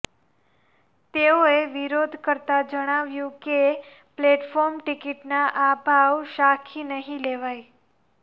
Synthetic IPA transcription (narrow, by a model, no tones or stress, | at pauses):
t̪eoeʋiɾod̪ʱkəɾt̪ad͡ʒəɽ̃aʋjũke | pleʈfɔɾmʈikiʈnaʔabʱaʋʃakʰinəɦĩleʋaj